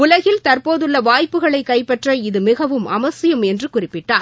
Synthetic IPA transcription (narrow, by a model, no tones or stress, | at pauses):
ʊlɐɣɪlt̪ɐrpoːðɯɭːɐʋaːjpːɯɣɐɭɐɪkːɐɪpːɛʈrɐɪðɯmɪɣɐʋɯmɐmɐsɪjɐmɛndrɯkʊrɪpːɪʈːaːɾ